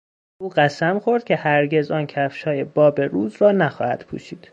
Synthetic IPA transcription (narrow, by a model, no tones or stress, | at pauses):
uːɢæsæmxo̞ɾd̪̥cʰe̞hæɾɟe̞zɒːncʰæfʃɒːjebɒːbe̞ɾuːzrɒːnæxɒːhæ̰d̪̥pʰṵːʃiːd̪̥